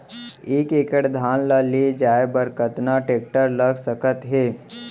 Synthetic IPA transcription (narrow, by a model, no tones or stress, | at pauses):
eːkekəʈd̪ʱaːnləled͡ʒaːebəɾkət̪naʈeːk̚ʈəɾləɡsəkət̪ɦeː